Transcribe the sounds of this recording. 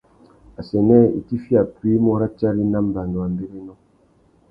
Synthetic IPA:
a˨sɛ˨nɛ˦˨ḭ˨ti˦fi˦a˨pwi˦mɔ˦ɾa˦t͡ʃa˦ɾi˦na˦m̩˨ba˨ndo˨a˨mbe˦ɾe˦nɔ˦

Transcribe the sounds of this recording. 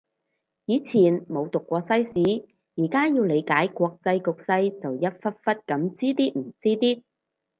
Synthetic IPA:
jiː˨˧t͡sʰiː˨˩nmo˨˧wt̪ʊ˨kːʷɔː˧sɐ˥jsiː˨˥ | jiː˨˩kaː˥jiː˧wle˨˧jkaː˨˥jkwɔː˧k̚t͡sɐ˧jkʊ˨k̚sɐ˧jt͡sɐ˨wjɐ˥t̚fɐ˥t̚fɐ˥t̚kɐ˨˥mt͡siː˥t̪iː˥m̩˨˩t͡siː˥t̪iː˥

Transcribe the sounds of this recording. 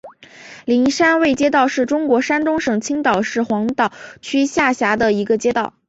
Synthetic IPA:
li˧˥nʂa˥nwe˥˩ɪt͡ɕjɛ˥t̪ɑ˥˧ʊʂɻ̩˥˩ʈ͡ʂʊ˥ŋkwɔ˧˥ʂa˥nt̪ʊ˥ŋʂɤ˨˩ŋt͡ɕʰi˥ŋt̪ɑ˨˩ʊʂɻ̩˥˩xwɑ˧˥ŋt̪ɑ˨˩ʊt͡ɕʰy˥ɕja˥˩ɕja˧˥d̪ə˧i˧˥ɡə˧t͡ɕjɛ˥t̪ɑ˥˩ʊ

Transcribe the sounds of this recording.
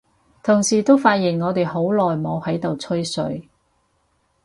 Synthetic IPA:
t̪ʰʊ˨˩ŋsiː˨˩t̪o˥wfaː˧t̚jiː˨˩nŋɔː˨˧t̪e˨jho˨˥wlɔː˨jmo˨˧whɐ˨˥jt̪o˨wt͡sʰɵ˥ɥsɵ̰˨˧˥ɥ

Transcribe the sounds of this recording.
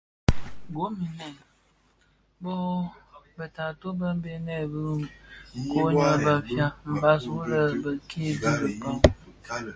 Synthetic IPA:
ɡo˨˦mi˨nɛ˨ | bo˦bə˨ta˨to˦bə˦m˦be˦nɛ˦˨bə˦˨ | ko˦ɲa˦ba˨fja˦m̩˨ba˦swɾə˦bə˨kʰe˦bi˦bə˨ba˦w

